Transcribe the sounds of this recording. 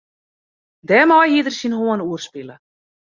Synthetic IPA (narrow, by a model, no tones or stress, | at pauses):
d̪ɛmawɦiːðɪɾ̥sinhuːanuːɾ̥spɪla